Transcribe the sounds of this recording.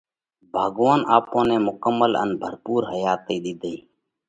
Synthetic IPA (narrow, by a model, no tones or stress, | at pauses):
bʱaːɡʋaːnaːpõːneːmʊkəmːələ̰nbʱəɾpuːɾɦəjaːt̪eːɗ̪id̪ʱeiː